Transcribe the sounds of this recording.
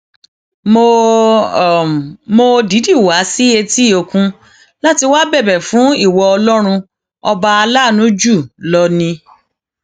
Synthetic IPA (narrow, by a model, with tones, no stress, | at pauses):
mo˨ | mo˧di˨˦di˦˨wa˨˦si˦e˧ti˦˨o˨˧˨kũ˧ | la˦ti˧wa˦bɛ˦˨bɛ˨fũ˨˦i˦˨wɔ˧ɔ˧lɔ˦ɾ̃ũ˧ | ɔ˧ba˧a˧la˦˨nũ˨˦d͡ʒu˦˨lɔ˦˧nĩ˧